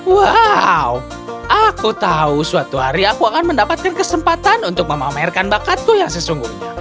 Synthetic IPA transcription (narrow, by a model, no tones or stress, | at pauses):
wau | ʔakut̪ausuat̪uɦaɾiakuakanməndapat̪̚kankəsəmpat̪anunt̪ʊk̚məmamaɛrkanbakat̪ːʊhjaŋsəsuŋɡuhɲa